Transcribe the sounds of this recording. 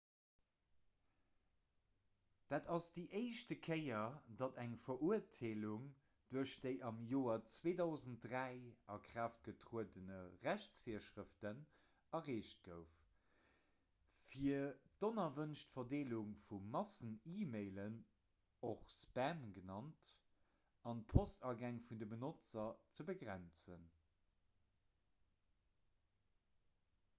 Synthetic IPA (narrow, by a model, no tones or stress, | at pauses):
d̥aːtɑsd̥iːʔeɪʃtəkʰəɪɐdɑdæŋfɐʔuɐtʰeːluŋ | d̥uɐʃd̥əɪʔɑmjoːɐt͡sweːdɑʊzəntʁæɪɑkʁ̥aːft̚ɡ̥ətʀuədənəʁæʃt͡sfiɐʃʁəftən | ɐʁeːʃt̚ɡ̥əʊf | fiɐd̥onɐvənʃtfɐdeːluŋfuːɑsəniːmeɪlən | oχspæmɡənɑnt | ɑnpʰostɑɡæŋfundəbənot͡sɐt͡səbəɡʁænt͡sən